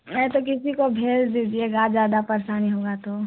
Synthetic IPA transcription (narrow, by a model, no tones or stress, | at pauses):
mɛt̪okɪsikobʱeːld̪iːd͡ʒieɡaːd͡ʒaːd̪apɐɾsaːniɦoːɡat̪o